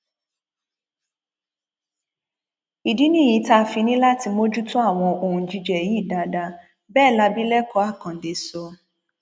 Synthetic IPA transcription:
i˨di˨˦nĩ˦˨jĩ˨˦ta˦˧˦fi˧nĩ˦la˦ti˧mo˦d͡ʒu˦tũ˦a˦˨w̃ɔ̃˧o˧˨ũ˨d͡ʒi˧d͡ʒɛ˨ji˨˦˨da˧˦da˧ | bɛː˦˨la˧bi˦lɛ˦kɔ˧˦a˦˨kã˨de˨˦so˧

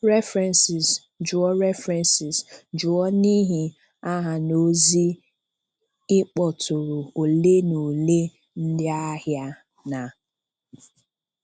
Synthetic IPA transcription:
ɾɛ˦fɾɛ˨nsɪ˨s | d͡ʒʊ˨ɔ˦ɾɛ˦fɾɛ˨nsɪ˨sd͡ʒʊ˨ɔ˦ni˦ɦi˨ | a˦ɦa˨no˦zi˦ | ɪ˦k͡pɔ˨tʊ˨ɾʊ˨o˨le˦no˨le˦ | n̩˦dɪ˦a˦ɦja˦ | na˨

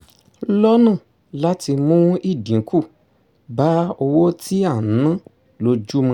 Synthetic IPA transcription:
lɔ˦nãː˦˨ | la˦ti˧mũ˦i˦˨dĩ˨˦ku˦˨ | ba˦o˧wo˦ti˦a˦˨nã˦ | lo˧d͡ʒu˦mã˧

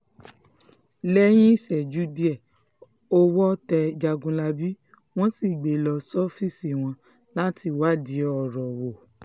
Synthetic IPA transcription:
lɛ˦j̃ĩ˦i˦˨sɛ˨d͡ʒu˦di˦ɛ˨ | o˦wɔ˦tɛ˧d͡ʒa˧ɡũ˧la˧bi˦ | w̃ɔ̃˦si˦˨ɡ͡be˨lɔ˧sɔ˦fi˦˨si˨w̃ɔ̃˧ | la˦ti˧˨wa˦di˨˦ɔ˨ɾɔ˨wo˨

